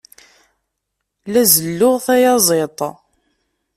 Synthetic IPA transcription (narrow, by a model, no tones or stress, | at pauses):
læzəlːʊʁθæjɑzˤet̪ˤ